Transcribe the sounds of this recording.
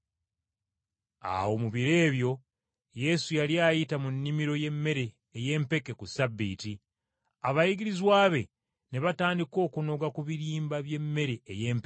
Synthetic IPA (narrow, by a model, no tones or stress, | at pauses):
a̰wo̞muβiɾe̞ːβjo̞ | je̞sujaliajitamunːimiɾo̞je̞mːe̞ɾe̞ː | je̞ːmpe̞ke̞kusabːḭːti | aβajiɡiɾizwaːβe̞ | neβataːndiko̞ːkuno̞ɡakuβiɾiːmbaβje̞mːe̞ɾe̞ːje̞ːmpe